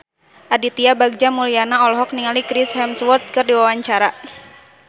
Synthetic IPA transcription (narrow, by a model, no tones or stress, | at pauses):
ʔadit̪iabaɡ̚d͡ʒamulianaɔlɔɦɔk̚niŋalikɾishɛmswɔrt̪̚kɨrdiwawaɲt͡ʃaɾa